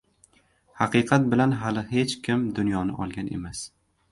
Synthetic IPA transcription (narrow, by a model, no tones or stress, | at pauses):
hɑqɨqʰɑt̪̚bɪlanɦalɪhe̞t͡ʃkʲʰɪmd̪ʊnjɒnɪ̰ʔɒlˠɡʲanʔe̞̰mas